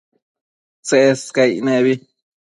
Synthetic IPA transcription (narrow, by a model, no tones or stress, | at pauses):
t͡seʔeskajneβi